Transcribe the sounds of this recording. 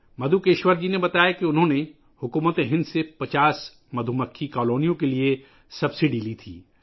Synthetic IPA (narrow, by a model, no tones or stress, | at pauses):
mɐd̪ʱukeːʃwəɾd͡ʒinebɐt̪aːjakiʊnɦõne | hʊkuːmət̪eɦɪ̃nd̪sepɐt͡ʃaːs | mɐd̪ʱuməkʰːikɔːloːnijõkelie | sɐbsɪɖilit̪ʰḭː